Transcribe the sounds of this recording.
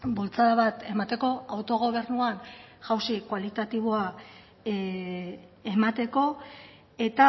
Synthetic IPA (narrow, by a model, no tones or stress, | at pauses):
bo̞lt͡saðaβat̪e̞mat̪e̞ko̞awt̪o̞ɣ̞o̞β̞e̞ɾnuanʝawsikwalit̪at̪iβ̞o̞a | e̞mat̪e̞ko̞ | e̞t̪a